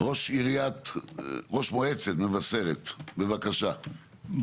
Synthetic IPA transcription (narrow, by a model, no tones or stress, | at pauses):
ʁoʃiɾijat̪ʁoʃmoet͡sed̪nevaseʁet̪bevakaʃa